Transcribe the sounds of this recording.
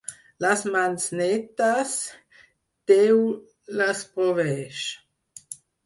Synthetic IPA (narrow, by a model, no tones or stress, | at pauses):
lasmansnɛt̪as | t̪ɛw | laspɾɔvɛʃ